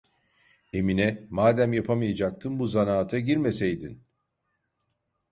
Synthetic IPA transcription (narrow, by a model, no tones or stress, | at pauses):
e̞minɛmaːd̪æmjapʰamɯjad͡ʒak̚t̪ʰɯnbuzanaːt̪ʰaɟiɾmesejd̪in